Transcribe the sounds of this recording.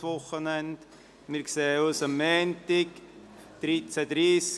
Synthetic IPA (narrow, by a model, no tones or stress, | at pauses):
ʋʊχənɛnt | mɪɾkseːusəmːɛːntɪk | d̥ɾit͡sædɾiːs